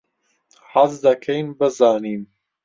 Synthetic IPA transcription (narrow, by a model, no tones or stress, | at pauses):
hazd̪ɐkʰejnbəzɑːniːm